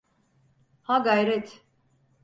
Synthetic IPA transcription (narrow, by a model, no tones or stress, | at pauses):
haɡajɾɛt̪ʰ